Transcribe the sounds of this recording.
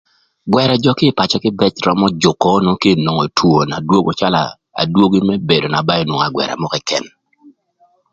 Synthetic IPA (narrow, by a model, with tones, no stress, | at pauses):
ɡwɛ˨ɾɛ˨d͡ʒɔ˦kɪ˦˨pa˨t͡ʃɔ˨kɪ˦bɛ˦t͡ʃɾɔ˦mɔ˦d͡ʒʊ˨kːɔ˦no˦ki˦˨no˨ŋo˨tʰwo˨na˨dwo˦ɡɔ˨t͡ʃa˦la̰˨ | a̰˨dwo˦ɡi˦mɛ˦be˨do˨na˨ba˦jo˨nwo˨ŋ˨a˨ɡwɛ̰˨ɾa̰˨mɔ˦kɛ˨kɛ̰˨n